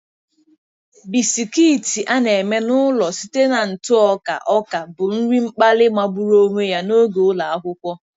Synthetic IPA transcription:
bi˨si˨kiː˦˨ti˨ʔa˦ne˨me˦nʊ˦lɔ˨si˦te˦na˨n̩˨tʊ˦ɔ˦ka̰˨ʔɔ˦ka˨bʊ˨n̩˦ɾi˦ŋ͡m̩˦k͡pa˦lɪ˦ma˦bu˦ɾo˦ŋʷe˦ja˦no˦ɡo˨ʊ˦la˨a˦ɦʊ˦kʷɔ˦

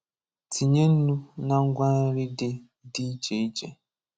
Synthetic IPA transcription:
tʰi˨ɲe˦n̩˦nu˦na˦ŋ̩˦ɡʷa˦n˦ɾi˦dɪ˦ | di˦i˦t͡ʃe˨i˦d͡ʒḛ˦

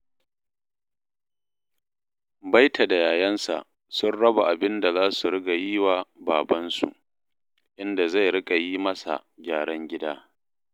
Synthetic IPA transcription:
ba˦jtʰa˨da˨jaː˨jɐ˦nsa̰˨ʔ | sʊ˦nɽɐ˦ba˨ʔa˨bɪ˦nda˨zaː˦su˨ɽɪ˦ɡa˨ji˦waː˨baː˨bɐ˦nsṵ˨ʔ | ʔɪ˦nda˨za˦˨jɽɪ˦kʼa˨jiː˦mɐ˦sa̰˨ɡʲaː˨ɽɐ˦ŋɡʲɪ˦daː˦

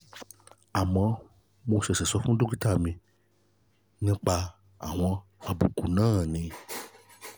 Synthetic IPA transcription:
a˨mã˨˦ | mõ˨˧˦sɛ˨sɛ˨sɔ˦fũ˦ɖo˦ki˦t̪a˦˨mĩ˧ | nĩ˦k͡pa˧ | a̰˨w̃ɔ̃˧a˨bu˨ku˨nãː˦˨nĩ˨

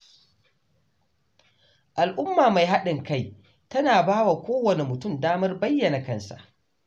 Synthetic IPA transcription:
ʔa˨lʔʊ˦mːaː˨ma˨jɦa˦ɗɪ˨ŋka˦˨j | tɐ˦naː˨baː˦wa˨kʷoː˦wɐ˨ne˨mʊ˨tʊ˦˨mdaː˦mɐ˦rbɐ˦jːɐ˨na˨kɐ˦nsa̰˨ʔ

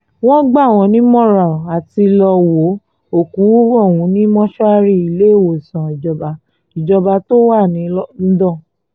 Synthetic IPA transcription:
w̃ɔ̃˦ɡ͡ba˦˨w̃ɔ̃˧˦nĩ˦mɔ̃˦ɾa˨a˨ti˧lɔ˧wo˨˦ | o˨ku˨˦ɔ˦˨wũ˨˧˦nĩ˦mɔ̃˦ʃɔ˦a˧˦ɾi˦˨i˨le˨˦˨wo˨sã˨i˨d͡ʒɔ˧ba˧˦ | i˨d͡ʒɔ˧ba˧to˦wa˦˨nĩ˨˦ɔ˦n̩˦dɔ̃˦˨

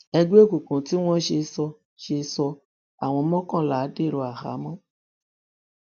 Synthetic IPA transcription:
ɛ˧ɡ͡bo˦˨kũ˨kũ˨ti˨˦w̃ɔ̃˦ʃe˧sɔ˧ | ʃe˧sɔ˧ | a˨w̃ɔ̃˧mɔ̃˦kã˦˨la˨˦de˦˨ɾo˧˦a˨ha̰˨˦mɔ̃˦

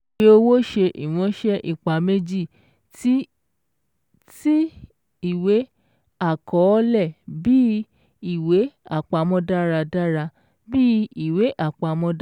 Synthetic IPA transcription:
k͡pe˦o˧wo˦ʃe˧ʔḭ˨w̃ɔ̃˨˧˦ʃɛ˦ʔi˨k͡pa˨me˦d͡ʒi˦˨ | ti˦ | ti˦ | i˦˨we˨˦ | a˦˨kɔ˨˦lɛ˦˨bi˦ | i˦˨we˨˦a˦˨k͡pa˧mɔ̃˦da˦ɾa˧da˦ɾa˧ | bi˦i˦˨we˨˦ʔa˦˨k͡pa˧mɔ̃˦

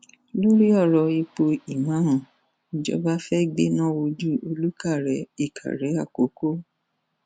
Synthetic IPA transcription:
lo˦ɾi˦ɔ˦˨ɾɔ˧i˧k͡po˧i˨mã˨˦ɦɔ̃˨ | i˨d͡ʒɔ̰˧˦ba˦fɛ˦ɡ͡bḛ˦nã˦˨wo˧d͡ʒu˦˨o˧lu˦ka˦˨ɾɛ˨˦i˦˨kʰa̰˨ɾɛ˨˦a˦˨ko˨˦ko˦

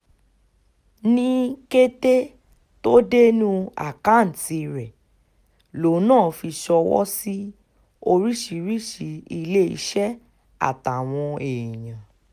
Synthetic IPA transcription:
nĩ˦ke˦te˦ | to˦de˦nũ˦a̰˦˨ka˨˦˨n̩˨ti˧ɾɛ˨ | lo˨˦nãː˦˨fi˧ʃɔ˧wɔ̰˦si˦ | o˧ɾi˦ʃi˧˦ɾi˦ʃi˧˦i˧le˦ḭ˧˦ʃɛ˦ | a̰˦˨ta˨w̃ɔ̃˧e˨i˨j̃ã˨

